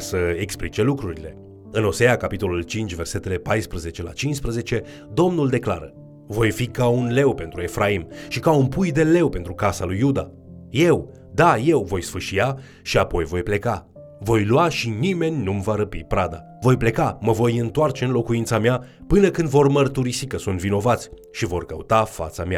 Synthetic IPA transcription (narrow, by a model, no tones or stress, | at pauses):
səeksplit͡ʃe̞lukɾuɾile̞ | ɨno̞se̞jakapit̪o̞lult͡ʃint͡ʃʲve̞rse̞t̪e̞le̞pajspɾəze̞t͡ʃe̞la̰t͡ʃinʃspɾəze̞t͡ʃe̞ | d̪o̞mnuld̪e̞kla̰ɾə | vo̞jfikaunle̞wpe̞nt̪ɾue̞fɾʔaimʃikaunpujd̪e̞le̞wpe̞nt̪ɾukasalujːud̪a | je̞w | d̪aje̞wvo̞jsfɨʃija | ʃiapo̞jvo̞jple̞ka | vo̞jlwaʃinime̞nʲnumvaɾəpipɾad̪a̰ | vo̞jple̞kaməvo̞jɨnt̪oart͡ʃe̞ɨnlo̞kuint̪sameapɨnəkɨnd̪vo̞rmərt̪uɾisikəsunt̪vino̞vat̪sʲ | ʃivo̞rkəut̪afa̰t̪samea̰